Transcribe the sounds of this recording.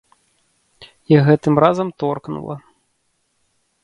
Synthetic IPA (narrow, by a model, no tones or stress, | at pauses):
jaɣɛt̪ɨmrazɐmt̪ɔrknṵlˠɐ̰